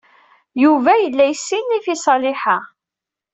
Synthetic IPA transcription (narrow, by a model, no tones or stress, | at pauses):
juvæjəlːæjsːinːifisˤɑlɪħa